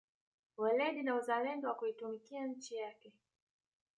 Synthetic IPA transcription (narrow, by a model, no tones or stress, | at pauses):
wɛlɛɗinauzalɛndɔwakuitumikiaɲ̩t͡ʃijakɛ